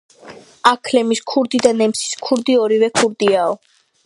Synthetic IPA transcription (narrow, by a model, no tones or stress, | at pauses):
akʰlɛmiskʰuɾd̪id̪anɛmsi̥skʰuɾd̪iɔɾivɛkʰuɾd̪iaɔ